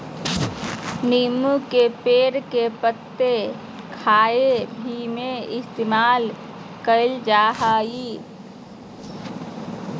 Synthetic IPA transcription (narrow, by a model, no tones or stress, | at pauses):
niːmũkepeːɾkepət̪ːe | kʰaːebʱimẽɪst̪eːmaːl | kəld͡ʒaːɦaːi